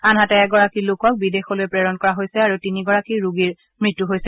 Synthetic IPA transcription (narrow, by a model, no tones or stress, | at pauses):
anɦatɛɛɡɔɹakilokɔk̚bidexɔlojɛpɹɛɹɔnkɔɹaɦojsɛaɹutiniɡɔɹakiɹuɡiɹ | mɹitːuɦojsɛ